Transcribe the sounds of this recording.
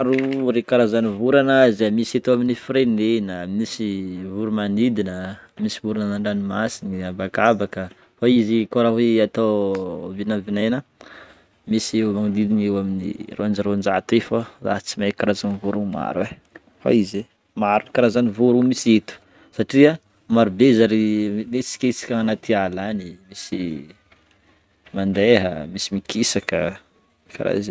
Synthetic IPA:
aɾuɾekaɾazanivuɾanazamiset̪uaminifɾenenəmisivuɾumanid̪inəmisivuɾananaɳɖ͡ʐanimasiniabakabakə | faizikoɾaɦweat̪awvinavinajna | misewmaŋud̪id̪inewaminḭrʔoand͡ʒaɾond͡ʒat̪efəla̰t͡simajkaɾazanivuɾuma̰ɾe | fa̰ize | maɾukaɾazanivuɾumiset̪u̥ | saʈ͡ʂia | maɾubezaɾimet͡si̥kʲait͡si̥kʲaanat̪ʰialanimisi | mand̪eɦə̰misimikʰisakə | ka̰ɾa̰zi

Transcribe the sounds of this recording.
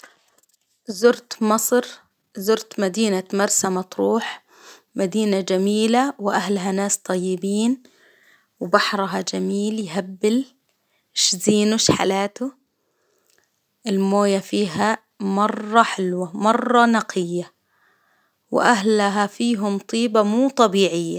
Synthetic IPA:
zʊɾt̪mɑsˤɾ | zʊɾt̪mad̪iːnamɑɾˤsamat̪ɾuːħ | mad̪iːnad͡ʒamiːlawʔahlɦanaːst̪ˤɑjːɪbiːn | wbɑħɾˤɦɑd͡ʒamiːljɦabːɪl | ʃziːnʊʃħa̰laːt̪u | ʔɪlmoːjafiːɦa | mɑrˤːɑħɪlwamɑrˤːɑnɑqʰɪjːa | wʔaɦlɦafiːɦʊmt̪ˤiːbamuːt̪ˤɑbiːʕɪjːa

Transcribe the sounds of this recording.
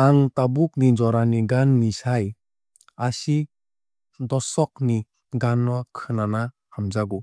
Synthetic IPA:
aŋtabuk̚nid͡ʒɔɾaniɡanːisaj | asi | dɔsɔk̚ni | ɡanːɔkʰɯnana | hamzaɡu

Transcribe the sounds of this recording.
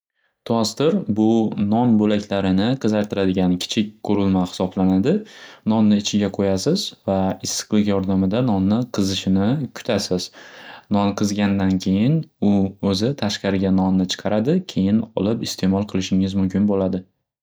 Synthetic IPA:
t̪ʰast̪ɪɾbʊnɒnbolakʲʰlaɾɪnɪqʰɨzaɾt̪ʰɪɾad̪ɪɡʲankʲʰɪ̥t͡ʃʰɪk̚ʲkʰːɵɾɪlmahɪ̥sɒblanad̪ɪnɒnːɪːt͡ʃʰɪɡʲaqʰojasɪz̥vaɪsːɨ̥qlˠɪkʲjɒɾd̪amɪd̪anɒnːɪqʰɨzɪʃɪnɪkʲʰʊ̥t̪ʰasɪz̥nɒnqʰɨzɡʲand̪ankʲʰe̞jɪnʊɵzɪt̪ʰaʃqɑɾɪɡʲanɒnːɪt͡ʃʰɨ̥qʰɑɾad̪ɪkʲʰe̞jɪnɒlɪpɪst̪ʰe̞mɒlˠqʰɨlˠɪʃɪŋɪzmʊmkʲɪnbolad̪ɪ

